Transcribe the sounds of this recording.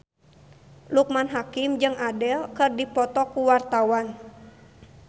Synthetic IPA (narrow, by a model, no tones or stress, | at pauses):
luk̚manɦakimd͡ʒɨŋʔadɛlkɨrdipɔt̪ɔkuwart̪awan